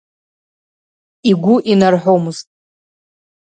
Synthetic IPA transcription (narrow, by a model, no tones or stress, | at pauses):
iɡʷʊʔinarħʷomɨztʼ